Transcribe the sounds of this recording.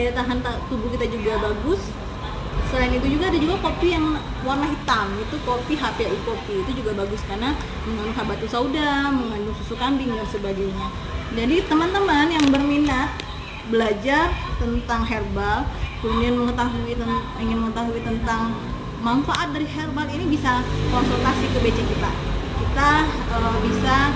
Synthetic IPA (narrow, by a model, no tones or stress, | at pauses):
adat̪aɦant̪at̪ubukit̪ad͡ʒuɡabaɡʊs | səlaɪnit̪ud͡ʒuɡaːdad͡ʒuɡakopijaŋ | warnaɦit̪amit̪ukopiɦapeaikopiːt̪ud͡ʒuɡabaɡʊskarna | məŋanʊŋɦabat̪usaudaməŋandʊŋsusukambɪŋdansəbaɡajɲa | d͡ʒadit̪əmant̪əmanjaŋbərminat̪̚ | bəlad͡ʒart̪ənt̪aŋɦɛrbalkəmudianməŋət̪aɦui | iŋɪnməŋət̪aɦuit̪ənt̪aŋ | manfaʔat̪̚daɾiɦerbalinibisakɔnsolt̪asikəbet͡ʃɛkit̪a̰kit̪aəbisa